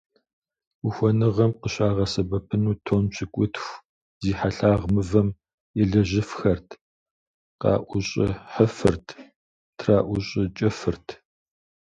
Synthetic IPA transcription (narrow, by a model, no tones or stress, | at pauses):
ʊxʷɔnɨʁɐmqəɕaːʁɐsɐbɐpʰɨnuːtʰoːnt͡ʃʰɪkʷʼʊtʰxʷ | ziːħaɬaːʁmɨvɐm | jɛɮɐʑɪfxɐrtʰ | qɑ̰ːʔʷʊɕʼɪ̰ħəfɨrtʰ | tʰraːʔʷʊɕʼɪt͡ʃʼɐfɨrtʰ